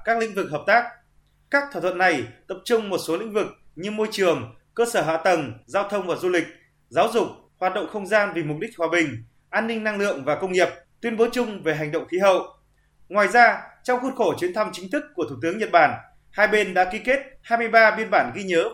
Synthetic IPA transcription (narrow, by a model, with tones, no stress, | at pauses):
kaː˦˥k̚lḭ̈˧˥ŋ̟vɨ˨˩k̚ɦəː˨˩p̚t̪aː˦˥k̚ | kaː˦˥k̪̚ʰaː˧˩ə˧˨nːa˨˩jt̪ə˨˩p̚t͡ɕʊ˧ŋ͡mmo˨˩t̚so˨˦lï˧˥ŋ̟vɨ˨˩k̚ɲɨ˧mo˧jt͡ɕɨ˨˩əŋ | kəː˧səː˧˩ɦa̰ː˧˨t̪ə˨˩ŋzaː˧wt̪ʰə˧wŋ͡mvaː˨˩zu˧lï˨˩k̟̚ | zaː˨˦wzʊ˨˩k͡p̚ | hwaː˨˩t̚ɗə̰˧˨ŋ͡mxə˧wŋ͡mzaː˧nvi˨˩mʊ˨˩k͡p̚ɗï˦˥k̟̚hwaː˨˩ɓï˨˩ŋ̟ | ʔaː˧nːï˧ŋ̟na˧ŋlɨ̰˧˨əŋvaː˨˩kə˧wŋ͡mŋi˨˩əp̚t̪wi˨ənɓo˨˦t͡ɕʊ˧ŋ͡mve˨˩ɦa˨˩jŋ̟ɗə̰˧˨wŋ͡mxi˨˦ɦə̰˧˨wʔ | ŋwaː˨˩jzaː˧t͡ɕɔ˧wŋ͡mxu˧t̚xo˧˩t͡ɕwi˨˦ənt̪ʰa˧mt͡ɕï˨˦ŋ̟t̪ʰɨ˦˥kːu˧˩ət̪u˧˩t̪ɨ˨˦əŋɲə˨˩t̚ɓaː˧˩n | haː˧jɓe˧nɗa̰ː˧˥ki˧ke˦˥t̚haː˧jmɨ˧əjɓaː˧ɓi˧ənɓaː˧˩nɣi˧ɲəː˨˦